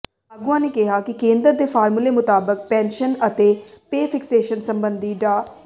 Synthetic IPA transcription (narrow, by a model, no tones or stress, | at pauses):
əɡʊãːneːkɪɦaːkɪkẽːnd̪əɾd̪eːpʰaːɾmuleːmʊt̪aːbək̚pɛ̃ːnʃənət̪eːpeːpʰɪkseːʃənsəmbənd̪iːɖaː